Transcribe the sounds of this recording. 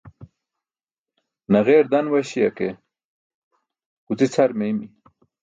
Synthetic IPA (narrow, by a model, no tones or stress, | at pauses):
nɐɣeːɾd̪ɐnwɐɕiɐke | kut͡sit͡sʰaɾmejmi